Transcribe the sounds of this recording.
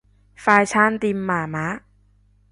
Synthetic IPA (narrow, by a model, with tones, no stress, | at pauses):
faː˧jt͡ɕʰaː˥˩˨nt̪i˧mːaː˨˩ma˦˥ʔ